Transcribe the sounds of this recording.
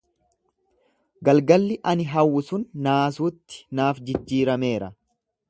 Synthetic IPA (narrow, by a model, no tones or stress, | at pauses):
ɡɐlɡɐlːɪʔɐnɪɦɐwːʊsʊnːaːsuːt̪ːɪ̥naːfd͡ʒɪd͡ʒːiːɾɐme̞ːɾɐ